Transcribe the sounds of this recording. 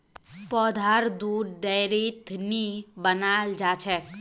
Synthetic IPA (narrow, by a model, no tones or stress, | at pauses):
pɔd̪ʱaɾd̪uɾd̪ɛjɾit̪ʰnibənald͡ʒaːt͡ʃʰɛk